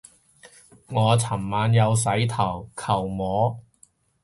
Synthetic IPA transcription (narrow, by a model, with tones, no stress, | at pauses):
ŋɔː˨˧t͡sʰɐ˨˩mmaː˨˧njɐ˨˧ws̬ɐ˨˥jt̪ʰɐ˨˩wkʰɐ˨˩wmɔː˨˥